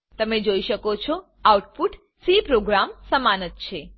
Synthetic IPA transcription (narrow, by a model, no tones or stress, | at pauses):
t̪əmed͡ʒoiʃəkot͡ʃʰo | auʈfuʈ | sipɾoɡɾamsəmanət̪̚t͡ʃʰe